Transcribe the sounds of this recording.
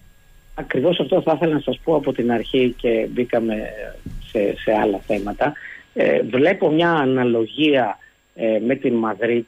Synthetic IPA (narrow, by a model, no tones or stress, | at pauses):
ɐkɾivo̞sɐft̪o̞θɐθe̞lɐnɐsɐspo̞ɐpo̞t̪inɐɾçice̞bikɐme̞sese̞ɐlɐθe̞mɐt̪ɐ̰ | vle̞po̞mɲɐːnɐlo̞ʝiɐ | me̞t̪inmɐðɾi